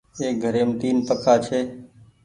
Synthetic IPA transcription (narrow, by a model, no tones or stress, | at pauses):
eːɡʱəɾeːmt̪iːnpəkʰaːt͡ʃʰeː